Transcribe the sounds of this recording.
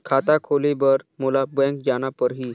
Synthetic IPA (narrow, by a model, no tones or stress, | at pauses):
kʰat̪akʰolebəɾmulabə̃ŋkd͡ʒañapəɾɦiː